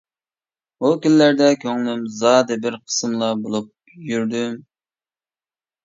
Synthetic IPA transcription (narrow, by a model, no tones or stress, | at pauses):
ukʲylːæɾd̪ɛkʲʰøŋlymzɑːd̪ɨbɪɾqʰə̥sɨmlˠɑbolˠup̚ | jyɾd̪ym